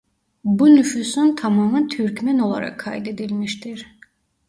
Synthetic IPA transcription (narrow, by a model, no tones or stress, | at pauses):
bunyfusunt̪ʰamaːmɯt̪ʰyɾcmæno̞lˠa̰ɾa̰kʰːa̰jd̪e̞d̪ilʲmiʃt̪ʰiɾ̥